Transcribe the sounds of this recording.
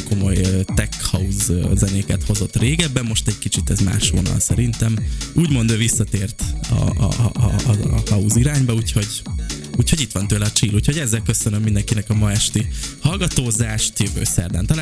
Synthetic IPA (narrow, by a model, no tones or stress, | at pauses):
ko̞mo̞jøt̪ɛkhɒuzzɛneːkɛt̪ho̞zo̞t̪ːreːɡɛbːɛmːo̞ʃt̪ɛɟkit͡ʃit̪ɛzma̰ːʃho̰ːnɒ̰lsɛɾint̪ɛmuːɟmo̞nd̪øːvisːɒt̪eːrt̪ɒ̰ | hɒuziɾaːɲbɒuːcho̞ɟ | uːcʰho̞ɟit̪ʋɒnt̪øːlɛɒt͡ʃiːluːcho̞ɟɛzːɛlkøsønømːind̪ɛŋkinɛkɒmɒɛʃt̪ihɒlɡɒt̪oːzaːʃt̪jøvø̰ːsɛ̰rd̪a̰ːnt̪ɒlː